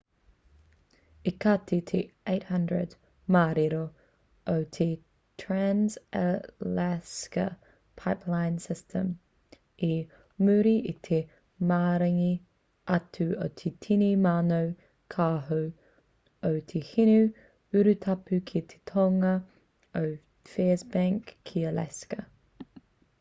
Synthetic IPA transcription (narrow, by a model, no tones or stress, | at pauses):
ikɐt̪ʰit̪ʰeeɪthɐndɹə̰d | maːɾiɾo | owt̪ʰe | tʰɹanzə̰læskɐ̰ | pʰaɪpʰlaɪnsɪstʰə̃m | i | mʉɾiʔit̪ʰe | maːɾɐŋi | ʔɐt̪ʰʉo̰wt̪ʰet̪ʰinimaːnow | kʰaːɦo | əwt̪ʰehinʉ | ʉɾʉt̪ʰapʉkʰit̪ʰe̥t̪ʰoŋɐ | ow | fɛːzbaŋkʰːiəla̰skɐ